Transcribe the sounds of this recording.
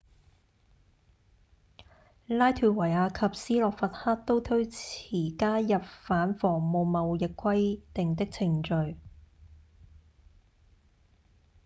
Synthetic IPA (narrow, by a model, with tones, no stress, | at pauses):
laː˥jt̪ʰyː˨˧wɐ˨˩jaː˧kʰɐ˨p̚siː˥lɔː˨kfɐ˨t̚haː˥t̚t̪o˥wt̪ʰɵ˥ɥt͡sʰiː˨˩kaː˥jɐ˨p̚faː˨˥nfɔː˨˩ŋmo˨˧wmɐ˨wjɪ˨kʷʰwɐ˥jt̪ɪ˨ŋt̪̬ɪ˥k̚t͡sʰɪ˨˩ŋt͡ʃɵ˨˧ɥ